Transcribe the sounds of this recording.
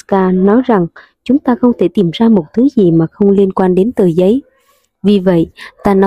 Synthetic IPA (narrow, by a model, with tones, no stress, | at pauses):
kaː˧nɔ˨˦jza˨˩ŋ | t͡ɕʊ˨˦ŋ͡mt̪aː˧xə˧wŋ͡mt̪ʰe˧˩t̪i˧˩mzaː˧mo˨˩t̚t̪ʰɨ˨˦zi˨˩maː˨˩xə˧wŋ͡mli˧ənkwaː˧nɗe˨˦nt̪əː˨˩jzə˨˦j | vi˨˩və̰˧˨jʔt̪aː˧nɔ˨˦